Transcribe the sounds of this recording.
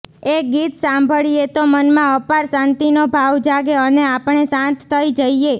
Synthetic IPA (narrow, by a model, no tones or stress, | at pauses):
eɡit̪sãmbʱəɭiet̪omənmãəpaɾsãnt̪inobʱaʋd͡ʒaɡeəneapəɳesãnt̪ʰːəid͡ʒəie